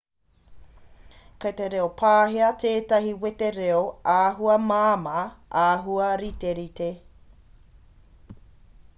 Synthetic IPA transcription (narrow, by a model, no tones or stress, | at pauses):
kɐteɾeopʰaːɦiɐtʰeːtɐhiweteɾeoaːɦuɐmaːmɐʔaːɦuɐɾiteɾite